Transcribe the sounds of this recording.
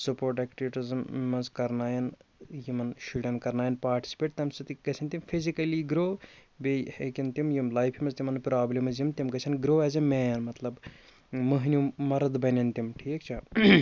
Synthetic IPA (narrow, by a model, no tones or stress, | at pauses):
supoːɾʈɛːkʈiʋiʈizmːɐzkɐɾnaːjɐnjimɐnʃuɖɐnkɐɾnaːjɐnpaːɾʈi̥si̥peːʈ̚t̪ɐmsɨt̪iɡɐt͡ʃʰɐnt̪imfʰizikɐliɡɾoːbehekʲint̪imjimlaːjpʰjimɐzt̪ʲimɐnpɾaːblemɐzjimt̪imɡɐt͡ʃʰɐnɡɾoːɐzimeːnmɐt̪lɐb | mɐɦnʲumɐɾɐd̪bɐnʲɐnt̪imʈʰiːkt͡ʃʰi